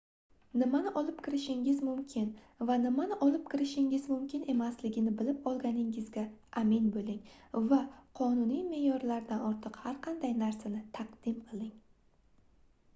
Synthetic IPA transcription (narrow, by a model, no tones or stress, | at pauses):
nɪmanɪʔɒlˠɪpkʲʰɪɾɪʃɪŋɪzmʊmkʲʰɪn | vanɪmanɪʔɒlɪp̚kʲʰɪɾɪʃɪŋɪzmʊmkʲʰɪne̞maslɪɡʲɪnɪbɪlɪpɒlˠɡʲanɪŋɪzɡʲaʔamɪnbolɪŋvaqʰɒnunijme̞jɒɾlaɾd̪anɒɾt̪ʰɨqhaɾqʰɑnd̪ajnaɾsanɪt̪ʰaqd̪̥ɪmqʰɨlˠɪŋ